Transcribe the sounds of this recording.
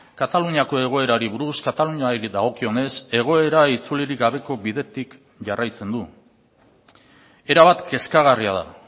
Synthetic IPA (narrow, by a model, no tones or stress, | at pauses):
kat̪aluɲiako̞e̞ɣ̞o̞e̞ɾaɾiβuɾuskat̪aluɲaɾid̪ðaɣ̞o̞kio̞ne̞se̞ɣ̞o̞e̞ɾait͡suliɾiɡaβe̞ko̞βiðe̞t̪ik | ʝarajt͡se̞nd̪u | e̞ɾaβ̞at̪ke̞skaɣ̞ariaða̰